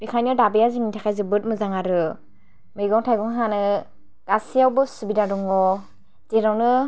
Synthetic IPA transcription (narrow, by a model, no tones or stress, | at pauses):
bikʰajnɔdabejaziŋitʰakʰajzɯbɯt̚mɯzaŋaɾɯ | mɯjɡɔŋtʰajɡɔŋɦanɯ | ɡ̥asijawbɯsubidadɔŋɡɔ | zeɾawnɯ